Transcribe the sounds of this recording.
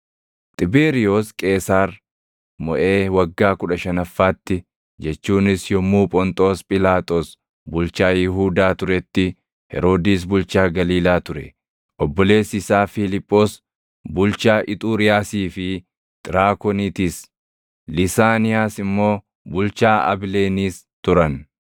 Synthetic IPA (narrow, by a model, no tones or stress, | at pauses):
t̪ʼɪbeːɾɪjoːskʼe̞ːsaːɾ | mɔ̰ʔe̞ːwɐɡːaːkʊᶑɐʃɐnɐfːaːt̪ːɪ | d͡ʒɛt͡ʃːuːnɪsjɔmuːpʼɔnt̪ʼo̞ːspʼɪlaːt̪ʼoːs | bʊlt͡ʃaːjɪɦuːd̪aːt̪ʊɾɛt̪ːɪ | hɛ̰ɾo̞ːd̪iːs̬bʊlt͡ʃaːɡɐliːlaːt̪ʊɾɛ̰ | ʔɔbːɔle̞ːsɪsaːfɪlɪpʼːo̞ːs | bʊlt͡ʃaːʔɪt̪ʼuːɾɪjaːsiːfɪ | t̪ʼɪɾaːkɔnit̪is | lɪsaːnɪjaːsɪmːo̞ː | bʊlt͡ʃaːʔɐ̰bleːniːs | t̪ʊɾɐn